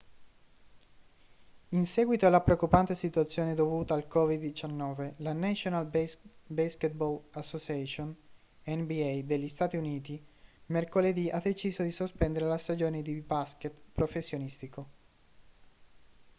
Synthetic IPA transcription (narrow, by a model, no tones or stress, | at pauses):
insɛːɡwit̪oalːapɾeokːupant̪esit̪uat̪sːjoːned̪ovuːt̪aːlkɔvid̪ːit͡ʃanːɔːvelanaʃonalbasket̪̚bɔlasːot͡ʃiɛʃon | ɛnbiɛjd̪eʎːist̪aːt̪iuniːt̪imerkoled̪iʔad̪ːet͡ʃiːzod̪isospɛnd̪eɾelast̪ad͡ʒoːned̪ibasket̪pɾofesːjonist̪iko